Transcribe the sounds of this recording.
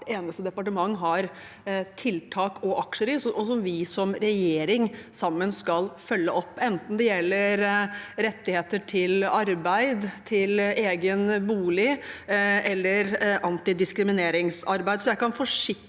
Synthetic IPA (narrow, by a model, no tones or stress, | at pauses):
eːnəst̪əd̪ɛpɑʈəmɑŋːɦɑɾ | t̪ʰɪlt̪ʰɑːkʰɔʔɑkʂəɾɪsʔɔsɔmʋɪsɔmɾɛjeːɾɪŋsɑmːənskɑlfœlːəɔpːɛnt̪n̩d̪ɛjɛlːəɾɾɛt̪ːɪheːt̪əʈʰɪlɑɾbæɪd̪t̪ʰɪleːɡənbuːlɪ | ʔɛlːəɾʔɑnt̪ɪd̪ɪskɾɪmɪneːɾɪŋsɑɾbæɪd̪sɔjæɪkɑnfɔʂɪk